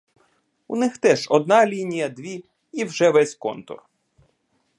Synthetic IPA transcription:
ṵnɪxt̪ɛʒɔd̪̚nɑlʲinʲijɐd̪ʋʲi | iwʒɛʋɛsʲkɔ̰nt̪ʊ̰r

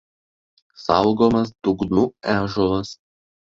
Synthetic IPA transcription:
sɑʊɡomɐsd̪ʊɡnuæːʒɔlˠɐs

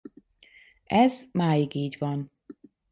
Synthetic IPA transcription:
ɛzmaːjiɡiːɟvɒn

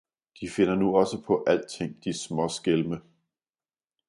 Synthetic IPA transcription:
d̥ife̝n̰ɐnuɒ̽səpʰɒ̽ʔæl̰d̥̚t͡sʰe̝ŋ̰d̥ismɒ̽sɡ̥elmə

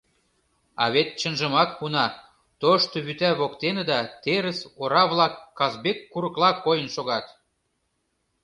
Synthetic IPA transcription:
ɑ̰βet̪̚t͡ɕə̆nʒə̆mɑk̚punɑ | t̪oʃt̪oβyt̪æβokt̪enə̆d̪ɑt̪eɾə̆soɾɑβlɑkːɑzbekːuɾə̆klɑkːojənʃoɣɑt̪

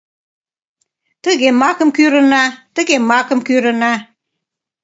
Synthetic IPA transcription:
t̪əɣemɑkə̆mkyɾə̆nɑt̪əɣemɑkə̆mkyɾə̆nɑ

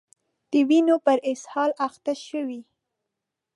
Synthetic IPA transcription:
d̪̥əwinopəɾɪshɑlaxt̪aʃəwi

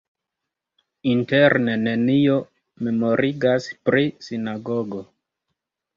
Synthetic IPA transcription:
inte̞ɾne̞ne̞nio̞ | me̞mo̞ɾʔiɡaspɾisinaɡo̞ɡo̞

